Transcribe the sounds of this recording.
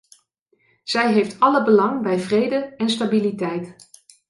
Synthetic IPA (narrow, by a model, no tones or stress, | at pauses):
z̥ɛjɦejftɑləbəlɑŋbɛjvrejdəɛnstabilitɛjt